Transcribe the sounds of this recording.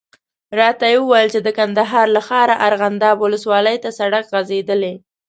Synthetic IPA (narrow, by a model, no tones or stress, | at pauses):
ɾɑt̪ajewəwajəlt͡ʃed̪əkand̪aɦɑɾlaxɑɾaʔaɾɣand̪ɑbwʊləswɑləjt̪asaɽakɣazed̪əle